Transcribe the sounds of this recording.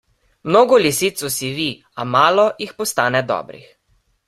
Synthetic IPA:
mnoːɡɔlisit̪sɔsiʋi | amaːlɔjixpɔst̪aːnɛd̪ɔ̰ːbɾḭx

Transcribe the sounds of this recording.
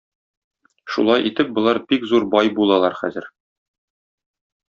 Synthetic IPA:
ʃṵlˠɑjʔit̪ɘp̚bŏlˠɑɾbikzuɾbɑjbulˠɑlˠɑɾχæ̰zɘ̆ɾ

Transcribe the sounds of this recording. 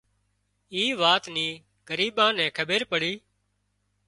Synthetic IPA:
iːʋaːt̪niː | ɡəɾiːɓãːnɛ̃ːkʰəɓeːɾpəɽiː

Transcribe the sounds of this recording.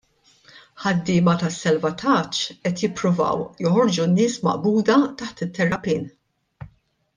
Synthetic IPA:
ħɐd̪ːɪːmɐt̪ɐsːɐlvɐt̪ʰɐt͡ʃːɛt̪jɪpːɾʊvɐ̰wjɔħɔɾd͡ʒunːɪːsmɐ̰ʔbuːd̪ɐt̪ɐħt̪ɪt̪ːɛɾːɐpiːn

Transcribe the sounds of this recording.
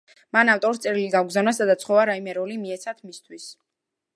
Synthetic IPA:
manaft̪ʼɔɾit̪sʼɛɾiliɡaɡzanasad̪at̪sʰχɔvaɾaimɛɾɔlimiɛt̪sʰat̪ʰmist̪ʰwis

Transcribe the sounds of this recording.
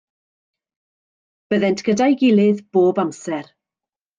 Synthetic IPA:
b̥əðɛntʰɡ̥ədajɡɪlˠɨðb̥oːbamsɛɾ

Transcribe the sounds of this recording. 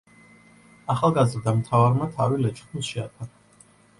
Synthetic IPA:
aχalˠɡazɾd̪amt̪ʰavaɾmat̪ʰaɾilɛt͡ʃʼχnuʃiat̪ʰa

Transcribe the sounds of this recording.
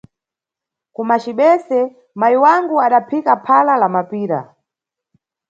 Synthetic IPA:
kumat͡ʃiɓɛsɛ | majiwaŋɡuaɗapʰikapʰalalamapiːɾa̰

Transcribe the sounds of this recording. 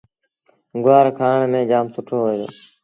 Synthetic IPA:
ɡʊaːɾkʰaːɳmẽːd͡ʒaːmsʊʈʰoːɦoːed̪o̰ː

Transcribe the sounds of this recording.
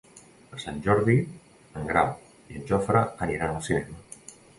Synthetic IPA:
əɾsanʲʒɔɾði | əŋɡɾa̰w | iənʒɔfɾəəniɾanəlˠsinɛmə

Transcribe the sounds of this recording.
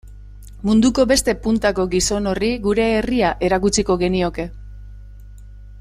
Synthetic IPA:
mund̪uko̞be̞st̪e̞punt̪ako̞ɡiso̞no̞riɡuɾe̞ːriaʔe̞ɾakut͡siko̞ɣe̞nio̞ke̞

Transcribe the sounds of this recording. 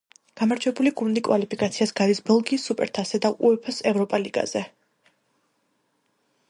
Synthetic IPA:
ɡ̥amaɾd͡ʒʰwɛbuliɡund̪ikʼwalipʰikʼat̪sʰiasɡaɾisbɛlˠɡiːsːupʼɛ̰ɾt̪ʰasɛd̪aʔuɛpʰɔsɛvɾɔpʼaliɡ̥a̰z̥ɛ

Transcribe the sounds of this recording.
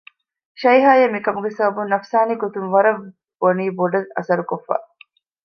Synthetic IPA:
ʃɐjɦaːjemikɐmuɡesɐbɐbunɐfsaːniɡot̪unʋɐɾɐʋ | boniːboɖɐlɐ̰sɐɾukofːa̰ː

